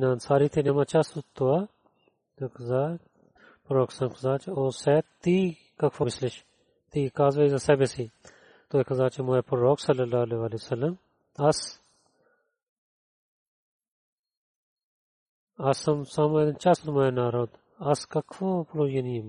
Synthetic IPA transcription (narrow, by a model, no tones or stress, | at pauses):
naːnsaːɾiːt̪ʰenemat͡ʃɐsut̪ːoa | ekzaː | pɾoːksɐmkʰzaːt͡ʃoːsɛt̪iː | kɐkʰfomɪslɪʃ | t̪iːkaːzʋɐizasɛbesi | t̪oːekʰɐzaːt͡ʃɐmoːepɾɾoːksɐlːɐlːaːleʋaːlesɐlːɐm | ɐs | ɐsɐmsaːmoeːd̪ɐnt͡ʃasut̪moenaːɾoːd̪ | ɐskɐkʰfoːploːjɐniɐm